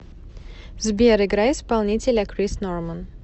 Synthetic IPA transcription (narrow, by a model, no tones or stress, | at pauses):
zbʲeɾɪɡɾaɪspɐlˠnʲitʲɪlʲɐkɾʲisnormən